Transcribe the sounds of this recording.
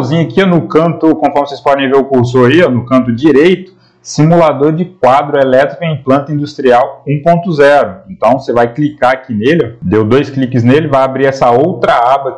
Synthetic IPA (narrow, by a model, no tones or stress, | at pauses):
zĩɲʊakiɔnʊkɐ̃nt̪ʊkõfɔɾmɪsespɔɾd̪ẽj̃veɾʊkuɾsoɾaiɔnʊkɐ̃nt̪̬ʊd͡ʒiɾejt̪ʊ̥ | simulad̪oɾd͡ʒɪk̚wad̪ɾʊelɛt̪ɾikʊẽplɐ̃nt̪ɐĩd̪ust̪ɾiawũpõnt̪ʊzɛɾʊẽnt̪ɐ̃w̃sevajklikaakinelɪɔd̪ewd̪ojsklikɪznelɪvajabɾiɾɛsɐowt̪ɾɐabɐ